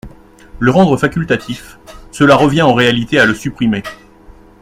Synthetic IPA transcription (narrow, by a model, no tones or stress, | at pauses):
ləʁɑ̃d̪ʁəfakʲylt̪at̪ʰifsəlaʁəvjɛ̃ɑ̃ʁealit̪ealəsypχime